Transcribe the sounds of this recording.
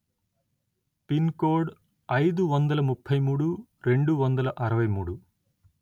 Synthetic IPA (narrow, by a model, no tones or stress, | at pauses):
pinkoːɾɖ | ɐjd̪uʋɐnd̪ɐlɐmupʰːɐjmuːɽuɾe̞ɳɖuʋɐnd̪ɐlɐʔɐɾɐʋɐjmuːɽu